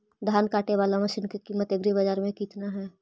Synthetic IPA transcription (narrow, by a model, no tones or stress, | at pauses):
d̪ʱaːnkaːʈeʋaːlamɐʃɪnkekimːət̪eɡɾibəd͡ʒaːɾmẽkiːt̪naɦɛː